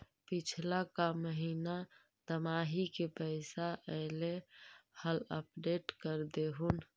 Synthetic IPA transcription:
pit͡ʃʰlakaməɦina | t̪əmaɦikepəɪsaʔəlehələp̚ɖeʈkəɾd̪eɦun

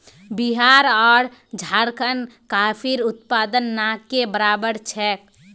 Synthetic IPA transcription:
biɦaɾɔːɾd͡ʒʱaɾkənkapʰiɾut̪̚pad̪ənːakːebəɾabəɾt͡ʃʰɛːk̚

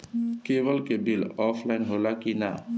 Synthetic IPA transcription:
kebəlkebilɔpʰlajnɦolakina̰

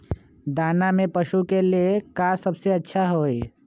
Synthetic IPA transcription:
d̪aːnamẽpəʃukeliekasəbseətːʃʰaɦoe

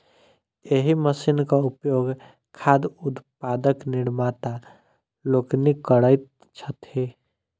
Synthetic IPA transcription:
jeɦiməsiːnkaʊpjoːɡ | kʰaːd̪ʊt̪paːd̪əknɪɽmat̪a | loknikəɽəɪt̪ | t͡ʃʰət̪he

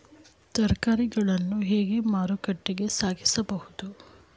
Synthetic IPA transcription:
t̪ɐɾkaːɾiɡɐɭɐnːuɦeːɡe̞maːɾukɐʈːiɡe̞saːɡisɐbɐhud̪u

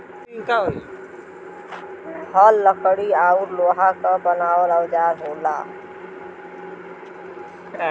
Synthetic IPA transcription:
nkaɦoi | bʰʱəlːəkəɽiaːuɾloːɦakabənaːwələwd͡ʒaːɾɦoːla̰ː

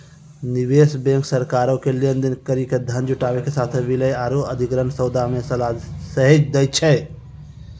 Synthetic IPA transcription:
niwesbẽŋksəɾkaɾokelijənd̪inkəɾiked̪ʱənd͡ʒuʈabekesat̪ʰbiləjaɾoəd̪ʱikɾənsəʊd̪amesəlasəɦed͡ʒd̪ɛjt͡ʃʰɛ

